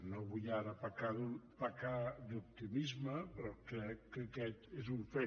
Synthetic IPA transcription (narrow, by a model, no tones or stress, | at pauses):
noβujaɾəpakaðupakad̪up̚t̪imizməpɾɔkɾɛkːəkɛt̪ezuɱfe